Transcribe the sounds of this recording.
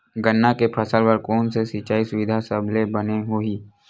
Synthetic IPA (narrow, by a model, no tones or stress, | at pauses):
ɡənːakepʰəsəlpəɾkɔːnsesit͡ʃaːisʊʋɪd̪ʱasəblebɐneɦoiː